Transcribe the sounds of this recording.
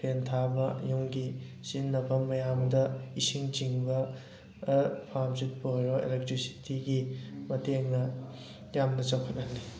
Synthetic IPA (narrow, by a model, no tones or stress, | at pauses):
pʰentʰabɐjuŋɡi | sinːɐbʰɐmmːɐjamdɐisiŋt͡ʃiŋbɐ | pʰamzut̚poɾoḛlek̚tɾisi̥tʰiɡimɐteŋnɐ | jamnɐt͡ʃawkʰɐtɐnːi